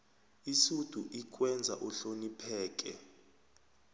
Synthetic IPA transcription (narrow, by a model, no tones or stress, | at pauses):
isud̥ʱuʔik̬ʼwɛnd͡zʱa̰ʔɔɬonipʰɛːk̬ʼɛ̰